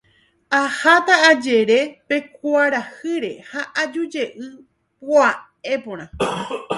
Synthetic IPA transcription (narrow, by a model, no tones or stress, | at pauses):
ahat̪aːd͡ʒe̞ɾe̞pe̞kʷaɾahɨɾe̞haʔad͡ʒud͡ʒe̞ʔɨ | poa | e̞põɾ̃ã